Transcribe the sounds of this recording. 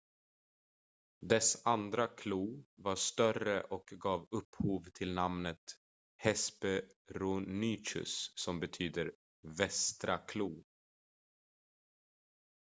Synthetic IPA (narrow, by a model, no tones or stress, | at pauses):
d̪ɛsand̪ɾakʰluːvaʂt̪œrəʔɔkɡɑːvɵpːhuːvt̪ʰɪlnamnət̪ | hɛspəɾunyːt͡ʃɵ̰sːɔmbɛt̪ʰyːd̪əɾ | vɛst̪ɾakʰluː